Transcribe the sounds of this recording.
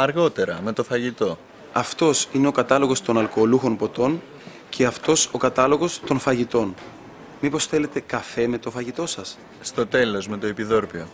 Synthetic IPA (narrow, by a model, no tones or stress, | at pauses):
ɐɾɣo̞t̪e̞ɾɐme̞t̪o̞fɐʝit̪o̞ | ɐft̪o̞sine̞o̞kɐt̪ɐlo̞ɣo̞st̪o̞nɐlko̞luxo̞npo̞t̪o̞n | cʰe̞ɐft̪o̞so̞kɐt̪ɐlo̞ɣo̞st̪o̞nfɐʝit̪o̞n | mipo̞sθe̞le̞t̪e̞kɐfe̞me̞t̪o̞fɐʝit̪o̞sɐs | st̪o̞t̪e̞lo̞zme̞t̪o̞epiðo̞ɾpio̞